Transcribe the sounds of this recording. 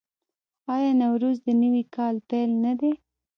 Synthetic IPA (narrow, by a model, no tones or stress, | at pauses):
ɑjɑnawɾuzd̪ənəwikʰɑlt̪elnad̪e